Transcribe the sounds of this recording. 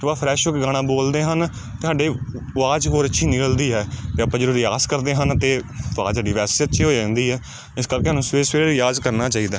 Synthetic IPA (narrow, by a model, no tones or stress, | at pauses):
ʋaːpʰɾɛːʃokːɡaːɽ̃aːboːld̪eːɦən | t̪eːɦaːɖeːaːd͡ʒɦoːɾətːʃʰiːnɪkəld̪iːɦɛːt̪eːəpːãːd͡ʒəɾuːɾjaːzkəɾd̪eːɦənt̪eːaːd͡ʒaːɖiːʋɛːssətːʃʰiːɦoːid͡ʒãːnd̪iːɦɛː | ɪskəɾkeːɦənũːsweːseːɾjaːzkəɾnaːt͡ʃaːiːd̪aː